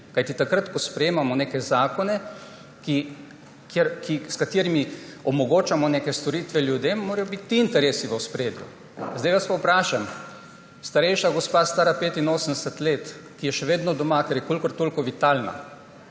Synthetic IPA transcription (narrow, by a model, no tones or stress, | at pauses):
kajt̪it̪akɾat̪kɔspɾɛjeːmamɔneːkɛzaːkɔnɛ | ki | keɾkiskat̪iːɾimiɔmɔɡoːt͡ʃamɔneːkɛst̪ɔɾiːt̪ʋɛlʲjud̪emːoːɾajɔbit̪ːiːnt̪ɛɾeːsiʋəwspɾeːd̪jṵ | zd̪ajʋaspɐwpɾaːʃam | st̪aɾɛjʃaɡɔspaːst̪aːɾapeːt̪inoːsənd̪ɛsɛt̪leːt̪kijɛʃɛʋeːd̪nɔd̪ɔmakɛɾjɛkoːlkɔɾt̪oːlkɔʋit̪alna̰